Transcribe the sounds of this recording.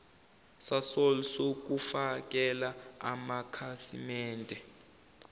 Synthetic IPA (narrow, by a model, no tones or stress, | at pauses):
sasolsok̬ufak̬ʼɛlaa̰makʰasimɛːndʱɛ